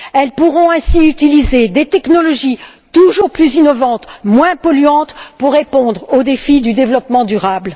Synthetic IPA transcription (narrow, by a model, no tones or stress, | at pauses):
ɛlpuʁɔ̃ɛ̃siyt̪ilized̪et̪ɛknɔlɔʒi | t̪uʒuʁplyzinɔvɑ̃t̪mwɛ̃pɔlyɑ̃t̪puʁːepɔ̃d̪ʁod̪efid̪yd̪evlɔpmɑ̃d̪yʁabl